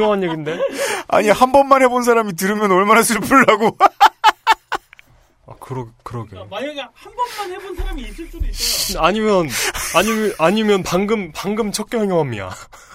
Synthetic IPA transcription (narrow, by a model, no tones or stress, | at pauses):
ʌŋɦaɲjeɡinde̞a̰ɲihambʌnmːanhe̞bons̬ʰaɾamit̬ɯɾɯmjʌnʌɭmanasʰɯɭpuɭːaɡo | a̰kɯɾʌkɯɾʌɡehanbʌnmanhebonsʰaɾamis͈ɯsudeaɲimjʌnaɲiaɲimjʌnpaŋɡɯmpaŋɡɯmt͡ɕʰʌk͈jʌɦŋjʌŋɦamɲida̰